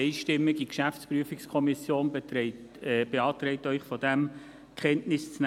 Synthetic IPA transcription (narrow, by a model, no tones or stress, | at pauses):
ɪʃtɪmːɪɡikʃæft͡spɾyəfɪkskʰɔmisjoːnbe | b̥eɑːtɾɛɪtœʏχfɔdæm | kʰχɛntnɪst͡sn